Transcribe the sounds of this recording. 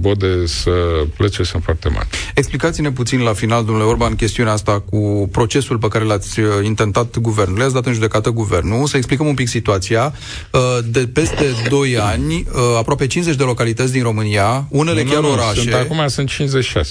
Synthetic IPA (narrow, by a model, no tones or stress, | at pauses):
bod̪esəplət͡ʃesənfoart̪ḛma̰rʲe̞ksplikat̪sʲine̞p̬ut̪sinlafinald̪omnuleorbankʲe̞st̪iuneaast̪akupɾo̞t͡ʃe̞sulpekaɾe̞lat̪sʲint̪e̞nt̪at̪ɡuve̞rnuleatsʲd̪at̪ɨnʒud̪e̞kat̪əɡuve̞rnusəeksplikəmumpiksit̪uat̪sia | əd̪e̞pe̞st̪e̞d̪o̞janʲəapɾoape̞t͡ʃinze̞t͡ʃʲd̪elo̞kalit̪ət̪sʲd̪inro̞mɨnijaune̞lekjaɾoɾaʃuneakumasɨnt̪̚t͡ʃinzet͡ʃi̥ʃa̰s